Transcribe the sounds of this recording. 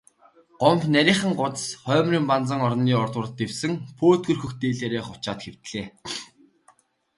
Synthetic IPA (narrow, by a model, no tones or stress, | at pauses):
ɢ̥ɔmpnæɾʲiːχə̆ŋɢʊt̪ə̥̆sχœːmriːmpant͡sə̆ŋɔr̆nːiːɔrt̪wə̆rə̆t̪ewsɘ̆ŋpʰoːt̪ɡɵ̆rxɵ̆xt̪eːɮeːɾeːχʊt͡ɕaːt̪xew̥t̪ɮeː